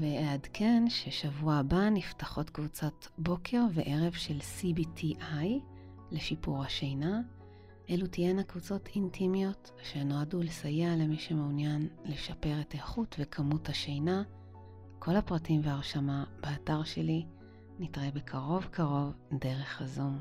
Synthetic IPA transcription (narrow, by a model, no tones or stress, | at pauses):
veeadkʰe̞nʃe̞ʃavuabaniftaχo̞tkvut͡sotbo̞kʰe̞ʁveʔe̞ʁe̞vʃe̞lsibitʰiʔaj | le̞ʃipuʁhaʃejna | ʔelutienakvut͡so̞tʰintʰimjo̞t | ʃeno̞adulesajeale̞miʃumeunjanle̞ʃape̞ʁetaeχutvekʰamuthaʃejna | kʰo̞lapʁatimveaʁʃamab̥eataʁʃe̞li | nitʁebekʰaʁo̞vkʰaʁo̞vde̞ʁe̞χhazum